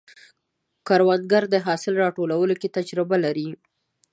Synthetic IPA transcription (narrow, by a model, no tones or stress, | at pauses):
kaɾwad̪̚ɡaɾd̪əɦɑsɪlɾɑʈolawəloket̪ad͡ʒɾɪbalaɾi